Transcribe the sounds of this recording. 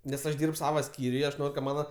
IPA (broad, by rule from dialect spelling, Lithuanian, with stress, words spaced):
nʲɛs ˈɐʃ ˈdʲiːrp ˈsɑːʋɐ ˈsʲkʲiːrʲʊj ɪ ɐʃ ˈnoːrʲ kɐ ˈmɑːnɐ